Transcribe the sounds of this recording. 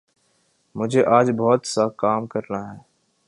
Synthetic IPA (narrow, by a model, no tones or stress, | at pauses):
mʊd͡ʒʱeːʔaːd͡ʒbɔːt̪sakaːmkəɾnaːɦɛː